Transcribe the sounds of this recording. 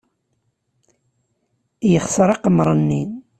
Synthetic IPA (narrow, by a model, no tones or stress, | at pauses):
jəχsəɾˤɑqəmɾˤənːi